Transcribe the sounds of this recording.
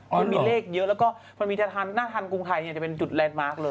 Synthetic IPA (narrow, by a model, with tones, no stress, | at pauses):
ma˧nmiː˧leː˥˩k̚jɤ˦˥ʔlɛː˦˥wkɔː˥˩ | ma˧nmiː˧t̪ʰa˦˧˥t̪ʰa˧nːaː˥˩t̪ʰa˧nku˧ŋt̪ʰa˧jni˥˩t͡ɕa˨˩pe˧nt͡ɕu˨˩t̪̚lɛː˧nmaː˦˥˩k̚lɤː˧